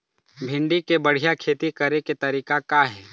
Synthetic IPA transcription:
bʱɪ̃ɳɖikebəɽ̤ijakʰeːt̪ikɐɾeket̪ɐɾiːkakaɦɛː

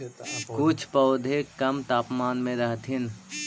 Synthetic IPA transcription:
kʊt͡ʃʰpəʊd̪ʱekəmt̪aːpmaːnmẽɾəɦt̪ʰɪn

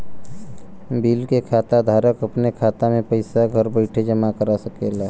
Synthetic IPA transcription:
bilkekʰat̪ad̪ʱaɾəkəpnekʰat̪amepəɪsaɡʱəɾbəɪʈʰed͡ʒəmakəɾasəkela

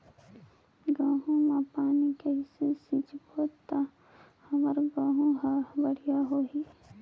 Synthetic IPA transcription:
ɡãːɦũmãpaːnikeɦɪsesit͡ʃboːt̪a | hɐməɾɡãːɦũɦəbəɽijaɦoːɦiː

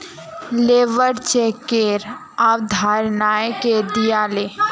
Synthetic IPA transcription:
leːʋəɾt͡ʃekːeɾ | awd̪ʱaːɾnaːjked̪ijaːleː

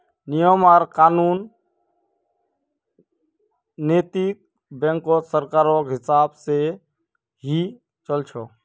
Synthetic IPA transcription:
nijəmaːɾkaːnuːn | eːt̪ik̚ | bɛ̃ŋkosəɾkaːɾokɦɪsaːbse | ɦi | t͡ʃəlt͡ʃʰoː

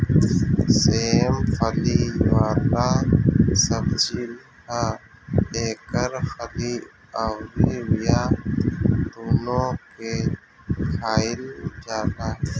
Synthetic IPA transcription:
semfʰɐliwaːla | səbd͡ʒil | a | eːkəɾfʰəli | awɾiwija | d̪oːnoke | kʰaːɪld͡ʒaːla

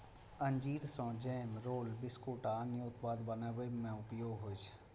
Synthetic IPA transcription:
əɲd͡ʒiːɾsɔ̃d͡ʒɛːmɾoːlbɪskoːʈaːnjoːt̪paːd̪bənəʋemẽʊpjoːɡɦoːd͡ʒ

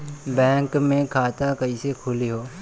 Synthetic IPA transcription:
bɛ̃ːŋkmẽkʰaːt̪akɐisekʰʊliɦoː

